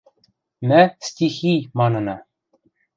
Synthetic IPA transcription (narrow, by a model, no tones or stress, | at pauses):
mæstʲiximɑnɤ̆nɑ